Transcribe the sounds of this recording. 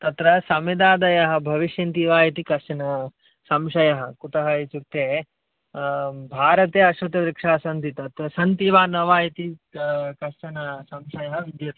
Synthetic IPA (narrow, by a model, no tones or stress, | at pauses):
t̪ɐt̪ɾɐsɐmid̪aːd̪ɐjɐɦɐ̆bʱɐʋiʃjɐnt̪iʋaːjɐt̪ikɐʃɐnɐ | sɐmʃɐjɐɦɐkut̪ɐɦɐit͡ʃut̪ːeː | bʱaːɾɐt̪eːɐʃʋɐt̪ɐʋɾikʂaːsɐnt̪it̪ɐt̪ɾɐsɐnt̪iʋaːnɐʋaːjɐt̪ikɐɾʂɐnɐsɐmʃɐjɐɦɐʋid̪jɐt̪ɐ